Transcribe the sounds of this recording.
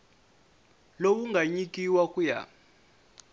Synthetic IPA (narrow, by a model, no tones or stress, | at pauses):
lowuŋɡʱaɲik̬ʼiwakʼuja̰